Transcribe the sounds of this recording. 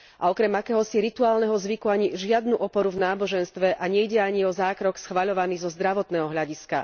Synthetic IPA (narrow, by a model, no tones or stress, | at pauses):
ʔa̰ɔkɾɛmakɛːɦɔsiɾit̪uaːlnɛɦɔzʋikuaɲiʒɪad̪nuʔɔpɔɾuvnaːbɔʒɛnst̪ʋɛʔaɲɛiɟɛaɲiɔzaːkɾɔksxʋaʎɔʋaniːzɔzd̪ɾaʋɔt̪nɛːɦɔɦʎaɟiska̰